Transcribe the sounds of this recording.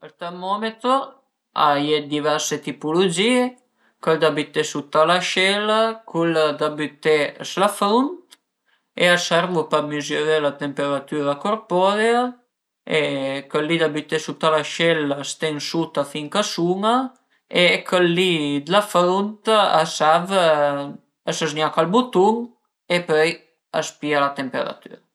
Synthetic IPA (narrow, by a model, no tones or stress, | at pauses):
əlt̪ɛrmɔmet̪ɾo | a̰jɛt̪̚d̪ivɛrset̪ipulod͡ʒiːe | kəld̪abit̪ːesut̪alaʃɛlakʰulad̪abit̪eslafɾont̪ | easɛɾvopəmizjoɾelat̪empeɾat̪yːɾakoɾpɔɾja | ekəlːid̪abyt̪esut̪alaʃɛlast̪eŋsut̪afiŋkasuŋa | ekʰəlːid̪əlafɾunt̪asav | əsəznjakalbut̪uŋ | epøj | a̰spialat̪empeɾa̰t̪y̰ɾ